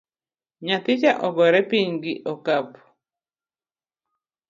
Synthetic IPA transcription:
ɲat̪ɪt͡ʃaʔɔɡɔɾɛpiɲɡɪʔɔkap

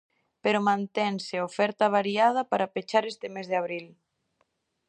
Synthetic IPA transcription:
peɾomãnt̪ɛŋsɪofɛɾt̪aβ̞aɾiað̞ɐpaɾapet͡ʃaɾest̪ɪmezðeaβ̞ɾil

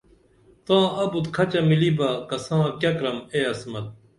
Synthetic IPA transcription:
t̪ãːɐbut̪kʰɐt͡ɕɐmilibakɐsãːkʲjɐkɾɐmeɐsmɐt̪̚

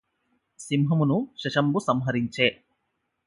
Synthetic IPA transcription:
simɦɐmunuʃɐʃɐmbusɐmɦɐɾiɲt͡ʃeː

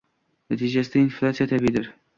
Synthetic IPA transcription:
nat̪ʰid͡ʒasɪd̪ainflʲˠat̪sijat̪ʰabiid̪ɪɾ

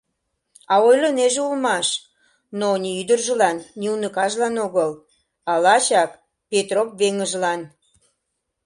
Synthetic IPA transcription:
ɑojloneʒeulmɑʃ | noniyd̪ərʒəlɑnːʲiunəkɑʒlɑnoɣəl | ɑlɑt͡ɕɑk | pet̪ropβeŋəʒlɑn

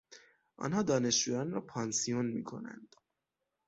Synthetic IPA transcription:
ʔɒ̰ːnhɒːd̪ɒːne̞ʃd͡ʒuːjɒnɾɒːpʰɒːnsijonmḭːkʰo̞̰næ̰nd̪̥

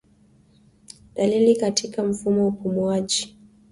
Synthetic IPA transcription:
ɗalilikatʰikam̩fumɔupumuaʄi

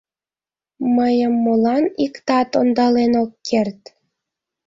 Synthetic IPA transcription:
məjəmːolɑnikt̪ɑt̪ond̪ɑlenokːert̪

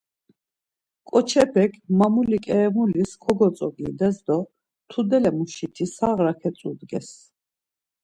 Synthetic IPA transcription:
kʼɔt͡ʃʰɛpʰɛkʰmamulikʼɛːmuliskʰɔɡɔt͡s̪ʼɔɡid̪ɛzd̪ɔ | t̪ʰud̪ɛlɛmuʃit̪ʰisaʁɾakʰɛt̪sʼud̪ɡɛs

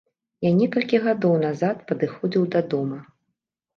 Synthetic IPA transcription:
janʲɛkɐlʲkʲiɣad̪ɔwnazat̪pɐd̪ɨxɔd͡zʲiwd̪ɐd̪ɔmɐ

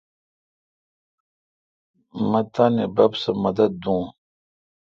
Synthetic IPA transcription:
mɐ̃t̪aːnebɐbsɐmɐd̪ɐd̪̚ːũː

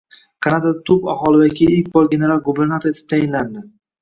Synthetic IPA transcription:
kʰɑnad̪ad̪at̪ʰʊpa̰χɒlˠɪbakʲiik̚ʲbɒɾɡʲe̞neɾalˠɡube̞ɾnat̪oe̞t̪ʰɪ̥p̚t̪ʰajɪnland̪ɪ

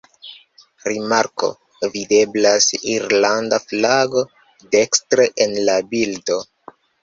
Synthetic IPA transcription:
ɾimaɾko̞̰ | vide̞blasiɾlandaflaɡo̞ | de̞kstɾeʔenlabildo̞

